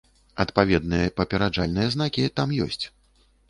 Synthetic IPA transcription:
ɐt̪pavʲɛd̪̚nɨjɐpɐpʲɛɾad͡ʐalʲnɨjɛznakʲit̪amjɔ̰sʲt͡sʲ

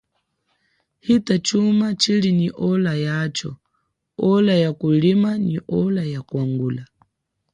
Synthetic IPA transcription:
hitat͡ʃumat͡ʃiliniʔɔlajat͡ʃɔ̰ | ɔlajakulimaniʔɔlajakuaŋɡuːla

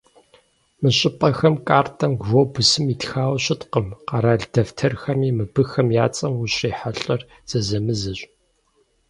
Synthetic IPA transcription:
mɨɕʼɪpʼɐxɐmkʼaːrtʰʼɐmɡvobɨsɨmitxaːwɕʼɪtqəmqɑɾaːɮdʰɐftʰɐrxɐmiːmɨbɨxɐmjaːt͡sʼɐmuɕriːħaɬʼɐr | z̥ɐzɐmɨzɐɕʼ

